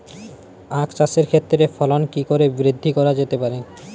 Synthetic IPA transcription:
akt͡ɕaseɾkʰet̪ːɾefɔlonkikoɾebɾid̪ʱːikɔɾad͡ʑet̪epaɾe

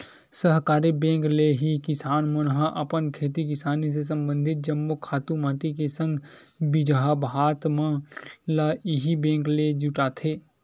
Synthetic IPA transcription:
səɦkaːɾibẽːŋkleɦikɪsaːnmʊnɦaʔɐpənkʰeːt̪̬ik̬ɪsaːnis̬es̬ɐ̃mbə̃nd̪ʱɪt̪̚d͡ʒɐmːokʰaːt̪ũmaːʈikesə̃ŋɡ | bɪd͡ʒɦabɦaːt̪mãlaʔɪɦibẽːŋkled͡ʒuʈaːt̪ʰeː

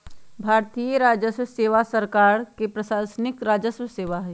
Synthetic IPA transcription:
bʱaːɾt̪ijəɾaːd͡ʒəswseːʋasəɾkaːɾkepɾɐʃaːsnɪkɾaːd͡ʒəswseːʋaɦɛː

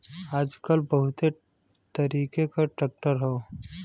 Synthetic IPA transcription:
aːd͡ʒkəlbɐɦʊt̪e | t̪əɾiːkekaʈɾɛːk̚ʈəɾɦɛo

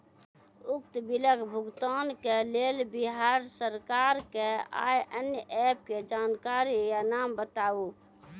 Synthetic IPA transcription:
ʊk̚t̪bɪləkbʱʊɡt̪aːnkeleːlbɪɦaːɾsəɾkaːɾkea̰ːjʔənjəʔɛːp̚ked͡ʒaːnkaːɾijanaːmbət̪aːu

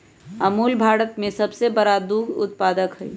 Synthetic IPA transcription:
ɐmuːlbʱaːɽət̪mẽsɐbsebɐɾad̪uːɡʊ̰t̪̚paːd̪əkɦɛḭ

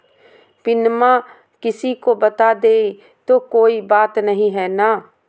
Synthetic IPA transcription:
pɪnmã | kɪsikobɐt̪ad̪eː | t̪okoːibaːt̪nɐɦĩɦɛːnaː

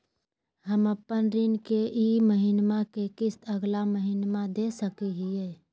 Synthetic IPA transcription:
ɦəməpːənɾɪnkeʔiməɦɪnmakekɪsəɡlaməɦɪnmad̪esəkiɦiɛː

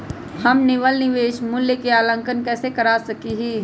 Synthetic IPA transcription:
hɐmnɪʋəlnɪʋeːʃmʊljəkeaːlə̃ŋkənkɛːsekɐɾaːsɐkiɦiː

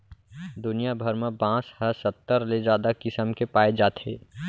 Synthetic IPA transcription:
d̪ʊnijabʱəɾmẽbãːshəsət̪ːəɾled͡ʒaːd̪akɪsəmkepaːed͡ʒaːt̪ʰɦeː

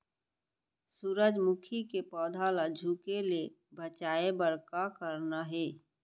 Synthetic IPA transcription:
suɾəd͡ʒmʊkʰikepɔːd̪ʱaləd͡ʒʱukelie | bət͡ʃaːebəɾkakəɾnaɦɛː

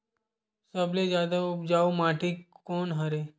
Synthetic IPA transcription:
səbled͡ʒjaːd̪aʊp̚d͡ʒaːomãːʈʰikoːnɦəɾeː

